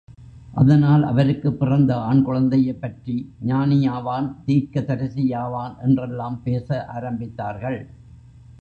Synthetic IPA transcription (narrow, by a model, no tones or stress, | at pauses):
ʔɐ̰ðɐnaːlʔɐ̰ʋɐɾɯkːɯpːɪrɐnd̪ɐaːɳkɯɻɐnd̪ɐjɐɪpːɐʈriɲaːnɪjaːʋaːnt̪iːɾkɐt̪ɐɾɐsɪjaːʋaːnʔɛndrɛlːaːmpeːsɐʔa̰ːɾɐmbɪt̪ːaːɾɣɐɭ